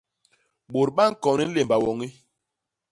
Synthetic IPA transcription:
ɓo˨ɾɓa˦ŋ̩˦kɔ˨ni˦le˨mba˨wɔ˨ŋi˦

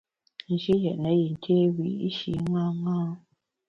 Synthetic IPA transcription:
n̩˨d͡ʒi˦jɛ˨ʔnə˨˦ji˨ŋ̩˨kʰe˦wḭ˨ḭ˦ʃḭ˨˦ŋã˦ŋãː˦

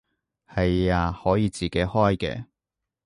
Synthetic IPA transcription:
hɐ˨jaː˧hɔː˨˥jiː˨˧t͡siː˨˩ke˨˥jhɔː˥jkɛ̰ː˧

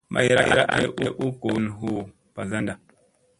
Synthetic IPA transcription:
mʔa̰˦˨je˨ɾa˦ja˨ɾa̰˦ʔa̰˦i˦ʔu˦ʔu˦ko˨˦nɦu˦˨ | pa˨za˦nda˨

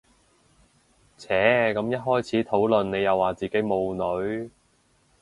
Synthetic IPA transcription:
t͡sʰɛː˨˥kɐ˨˥mjɐ˥t̚ɦɔː˥jt͡sʰiː˨˥t̪ʰo˨˥wlɵ˨nne˨˧jɐ˨wːaː˨˩t͡siː˨˩ke˨˥jmo˨˧wnɵ˨˧˥ɥ

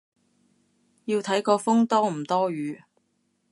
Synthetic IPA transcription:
jiː˧wt̪ʰɐ˨˥jkɔː˧fʊ˥ŋt̪ɔː˥m̩˨˩t̪ɔː˥ɥyː˨˧

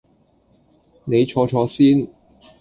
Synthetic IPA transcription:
ne˨˧jt͡ʃʰɔː˨˥t͡ʃʰɔː˨˧˥siː˥n

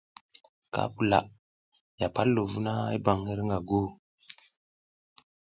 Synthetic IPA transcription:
ka̰˦pu˨la̰˨ʔ | ja˨pa˦lːo˨vu˦na˦a̰˦ba˨ŋhe˦ɾŋɡa˨ɡo˦

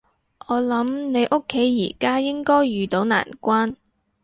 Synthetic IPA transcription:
ʔɔː˨˧lɐ˨˥mne˨˧jʔʊ˥kʰːe˨˥jḭː˨˩kaː˥jɪ˥ŋkɔː˥jːyː˨˧t̪o˨˥wna̰ː˨˩nkʷaː˥n

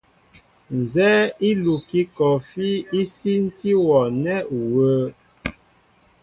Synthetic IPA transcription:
n̩˨zɛ˦i˦lu˨ki˦kɔ˨fi˦i˦si˦n̩˦ti˦wɔ˨nɛ˦wə˦

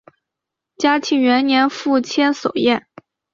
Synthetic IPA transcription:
t͡ɕja˥t͡ɕʰi˧˥ŋɥɛ˧˥nnjɛ˧˥nfu˥˩t͡ɕʰjɛ˥nso˨˩ʊjɛ˥˩n

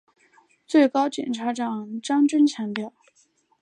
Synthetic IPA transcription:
t͡swe˥˩ɪkɑ˥ʊt͡ɕjɛ̰˨˩nʈ͡ʂʰa˧˥ʈ͡ʂɑ˨˩ŋʈ͡ʂɑ˥ŋʈ͡ʂə˥nt͡ɕʰjɑ˧˥ŋt̪jɑ˥˩ʊ

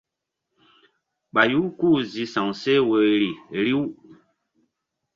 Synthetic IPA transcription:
ɓa˨ju˦ku˦˨zi˨sã˨se˦wə˨ɾi˨ɾi˦w

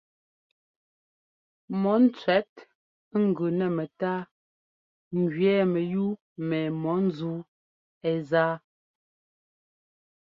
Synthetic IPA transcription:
mɔ˨˦n̩˦t͡sɥɛ˨˦t̚ | ŋ̩˨ɡʉ˨nɛ˨mɛ˨taː˦ | ŋ˨ɡɥɛ˦mɛ˨ju˦ | mɛ˨mɔ˨˦n̩˦zuː˦ | ɛ˨zaː˦

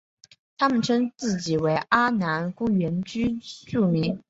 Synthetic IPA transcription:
t̪ʰa˥mə˨nʈ͡ʂʰɤ˥ŋt͡sɹ̩˥˩t͡ɕi˨˩we˧˥ɪʔa˥na˧˥nku˥˩ɥɛ˧˥nt͡ɕy˥ʈ͡ʂu˥˩mi˧˥ŋ

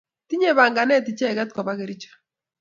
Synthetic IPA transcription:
ti˦ɲe˨βa˨ŋɡa˨nɛ˦ti˨t͡ʃɛ˦˨kɛ˦t̚kɔ˨βa˦ke˨ɾi˦t͡ʃḁ˦

